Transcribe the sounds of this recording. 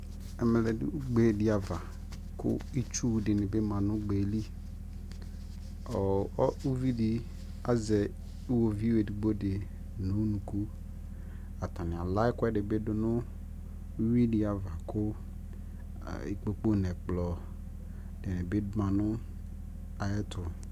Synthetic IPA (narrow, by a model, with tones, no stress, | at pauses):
ɛ˨mɛ˨lɛ̰˨˦u˦ɡ͡be˦˨dɪ˨a˨va˨ | kʊ̰˦i˦t͡ʃu˦˨dɪ˨nɪ˨be˦mã˨nʊ̃˦ɡ͡be˨˦li˦ | ɔ˨ɔ˦u˦vi˦dɪ˨ | a˦zɛ˨ | i˦wo˨vi˦we˨di˨ɡ͡bo˦dɪ˨ | nʊ̃˨˦nũ˨ku˦ | a˨ta˨nɪ˨a˨la˦ɪ˦kʷɛ˦dɪ˨bɪ˦dʊ˦nʊ̃˦ | wi˦dɪ˨a˨va˨kʰʊ˦˨ | i˨k͡po˨k͡po˦nɛ˨k͡plɔ˨ | dɪ˨nɪ̃˨bɪ˦dʊ˦mã˨nʊ̃˦ | a˨jɛ˦tʰʊ˨